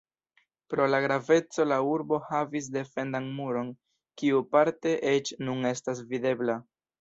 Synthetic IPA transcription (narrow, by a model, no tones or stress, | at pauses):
pɾo̞laɡɾave̞t͡so̞lauɾbo̞havis̬de̞fe̞ndanmuɾo̞n | kiupaɾte̞ʔe̞t͡ʃnune̞stas̬vide̞bla